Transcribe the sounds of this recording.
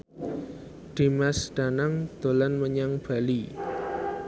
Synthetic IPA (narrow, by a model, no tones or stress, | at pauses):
ɖ̪̥i̤masɖ̪̥a̤naŋd̪̥o̤lanməɲaŋb̥a̤li